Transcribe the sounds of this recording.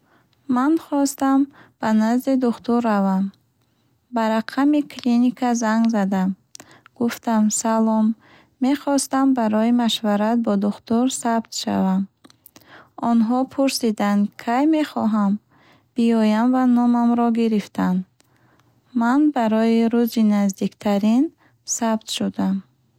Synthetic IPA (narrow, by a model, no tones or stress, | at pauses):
manχɔst̪amb̥anazd̪id̪uχt̪uɾːavam | baɾaqʰamikʰlinikʰazaŋɡzad̪am | ɡ̥uft̪amsalɔmː | e̞χɔst̪ambaɾɔimaʃvaɾat̪̚bɔd̪uχt̪uɾsabt̪ʃa̰vam | ɔnɦɔpʰuɾsid̪and̪kʰajme̞χɔɦam | b̥iɔjamvanɔmamɾɔɡiɾift̪ʰan | manbaɾɔiɾuzinazd̪ikt̪ʰaɾin | sabt̪ʃud̪am